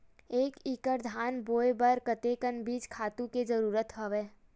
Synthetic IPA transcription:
eːkikəɾd̪ʱaːnboːebəɾkət̪eːkənbiːd͡ʒkʰaːt̪ũked͡ʒəɾuːɾət̪ɦəʋeː

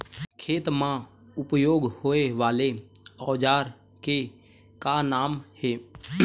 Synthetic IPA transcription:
kʰeːt̪mã | ʊpjoːɡhoːeʋaːleɔːd͡ʒaːɾ | ke | kanaːmheː

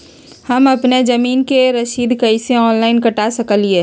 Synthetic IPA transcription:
hɐmɐpned͡ʒɐmiːnkeɾɐʃiːd̪kɐiseɔːnlaːɪnkɐʈasɐkəlie

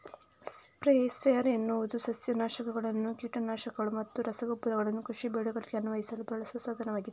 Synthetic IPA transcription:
spɾesejɐɾenːuʋud̪usɐsjɐnaːʃɐkɐɡɐɭɐnːukjuːʈɐnaːʃɐkːɐɭumɐt̪ːuɾɐsɐɡɐpuɾɐɣɐɭɐnːukɾuʂibɛɽuɡɐɭiɡeɐnuʋɐɦisɐlubɐɭɐsuʋɐsaːd̪ʱɐnɐʋaːɡid̪e

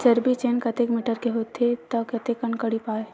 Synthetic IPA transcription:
sɐɾbʱit͡ʃeːnkɐt̪ekmɪʈəɾkeɦoːt̪ʰet̪ɐkɐt̪ekɐɳkəɽipaːe

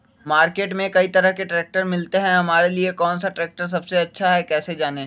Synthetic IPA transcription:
maːɾkeːʈmẽkɐit̪ɐɾəɦkeʈɾɛːk̚ʈəɾmɪlt̪eɦɛ̃ɦɐmaːɾeliekɔːnsaʈɾɛːk̚ʈəɾs̬ɐbseɐtːʃʰaɦɛkɛːsed͡ʒaːneː

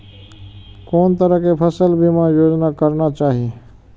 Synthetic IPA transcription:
koːnt̪əɾəkepʰəsəlbʱimãjoːd͡ʒnakəɾnat͡ʃaːɦie

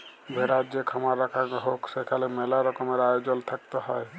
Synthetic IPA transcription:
bʱeɾat̪d͡ʒekʰɔmaɾːakʰakɦoksekʰalemɛlaɾɔkɔmeɾajod͡ʒɔlt̪ʰək̚t̪ɔɦɔe

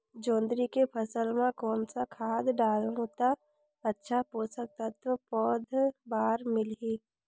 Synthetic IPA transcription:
d͡ʒõːnd̪ɾikepʰəsəlmãkɔːnsakʰaːd̪ɖaːlɦoːt̪a | ətːʃʰapoːsək̚t̪at̪əpɔːd̪ʱbaːɾmɪliː

